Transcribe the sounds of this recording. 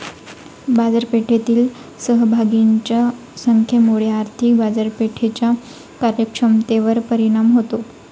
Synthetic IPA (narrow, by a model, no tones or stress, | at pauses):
bad͡zəɾpeʈʰet̪iːl | səɦbʱaɡiɲt͡ɕa | səŋkʰjemoɽ̤jeaɾt̪ʰik̚bad͡zəɾpeʈʰet͡ɕja | kaɾjəkʂəmt̪eʋəɾpəɾiɽ̃amɦot̪o